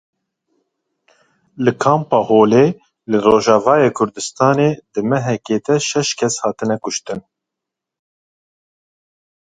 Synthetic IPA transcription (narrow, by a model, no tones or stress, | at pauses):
lɨkʰɑːmpɑːhoːleː | lɨroːʒɑːvɑːjeːkʰʊɾd̪ɨst̪ɑːneːd̪ɨmɛɦɛkeːd̪ɛʃɛʃkʰɛshɑːt̪ɨnɛkʊʃt̪ɨn